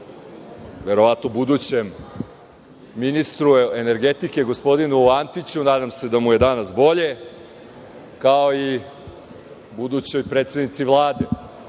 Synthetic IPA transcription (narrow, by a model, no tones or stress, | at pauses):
ʋe̞ɾo̞ʋat̪nobud̪ut͡ɕem | inist̪ɾuene̞ɾɡe̞t̪ike̞ɡospo̞d̪inuant̪it͡ɕunaːd̪amse̞d̪amuje̞d̪anasbo̞ʎe̞ | kao̞i | bud̪ut͡ɕo̞jpɾet̪senit̪siʋlˠaːd̪e